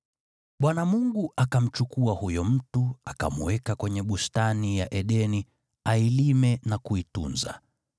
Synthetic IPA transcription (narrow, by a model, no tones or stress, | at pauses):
ɓwanamuŋɡuʔakam̩t͡ʃukuahujɔm̩tuaka̰muwɛkakwɛɲɛɓustanijaʔɛɗɛni | ailimɛnakuitṵnza̰